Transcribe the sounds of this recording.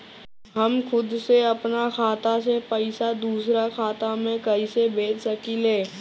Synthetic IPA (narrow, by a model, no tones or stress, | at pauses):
ɦɐmkʊd̪seɐpnakʰaːt̪asepəɪsad̪uːsɾakʰaːt̪amẽkɐɦisebʱeːt͡ʃsɐkileː